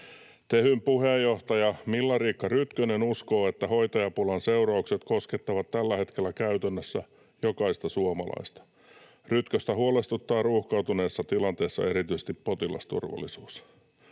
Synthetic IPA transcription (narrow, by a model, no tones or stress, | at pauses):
t̪ehympuhejːoht̪ɑjɑmilːɑriːkːɑryt̪kønenusko̞ːet̪ːæhoit̪ɑjɑpulɑnseuɾɑukset̪ko̞sket̪ːɑʋɑt̪t̪ælːæhe̞t̪k̟e̞lːækæyt̪ænːøsːæ | jokɑist̪ɑsuomɑ̰lɑ̰ist̪ɑ̥ | ryt̪køst̪æhuolest̪ut̪ːɑːruːhkɑut̪une̞ːsːɑt̪ilɑnt̪eːsːɑ̰eɾit̪ysest̪ippot̪ilɑ̰st̪ṵrʋɑ̰lːˑisuːs